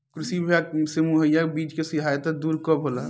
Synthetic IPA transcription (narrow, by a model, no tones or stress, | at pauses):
kɾɪsibʱjaksemuɦəjːabiːt͡ʃkesɪɦaːjət̪ad̪uːɾkɔbɦola